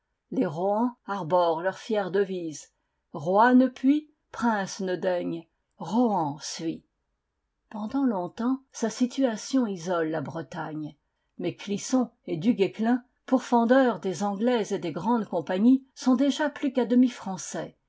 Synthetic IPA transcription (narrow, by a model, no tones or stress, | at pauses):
leʁɔɑ̃aʁbɔʁlœʁfjɛʁd̪əviz | ʁwanəpʰɥi | pχɛ̃snəd̪ɛɲ | ʁɔɑ̃sɥi | pɑ̃d̪ɑ̃lɔ̃t̪ɑ̃sasit̪yasjɔ̃izɔlːabʁət̪aɲ | mɛklisɔ̃ed̪yɡeklɛ̃ | puʁfɑ̃d̪œʁd̪ezɑ̃ɡlɛzed̪eɡʁɑ̃d̪kɔ̃paɲisɔ̃d̪eʒaplykad̪əmifχɑ̃sɛ